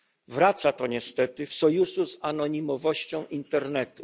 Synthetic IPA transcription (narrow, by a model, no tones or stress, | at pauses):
vɾat̪sat̪ɔɲɛst̪ɛt̪ɘfsɔjusuzanɔɲimɔvɔɕt͡ɕɔ̃w̃ʔint̪ɛɾnɛt̪u